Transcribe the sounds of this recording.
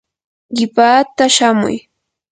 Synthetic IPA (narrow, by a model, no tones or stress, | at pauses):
ɢɪpaːt̪aʃamʊ̰j